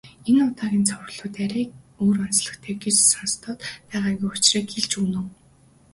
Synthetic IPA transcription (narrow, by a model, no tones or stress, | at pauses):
enʊt̪aːɣʲiːnt͡sʰɔw̆rɮʊːt̪æɾʲæːk̚ | oːrɔnsɮə̆kt̪ʰeːɡet͡ɕsanst̪ʰɔːt̪pæːʁaːɡujʊt͡ɕraːɡeɮt͡ɕuːnŏː